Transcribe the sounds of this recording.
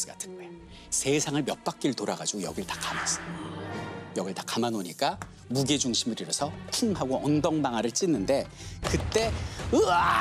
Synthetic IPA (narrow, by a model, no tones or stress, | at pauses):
sɡatʰɯnɡoe | sʰe̞sʰaŋɯɭmjʌt̚p͈ak̚k͈iɾɯɭtoɾaɡad͡ʑiɡojʌɡiɾɯɭtḁkamas͈ɯ | jʌɡiɭtḁkamanoɲik͈a | muɡed͡ʑuŋɕʰimɯɾiɾʌsʰʌtʰuŋɦaɡoʌndʌŋbaŋaɾɯɭt͡ɕ͈inːɯnde̞kɯt͈e̞ɯa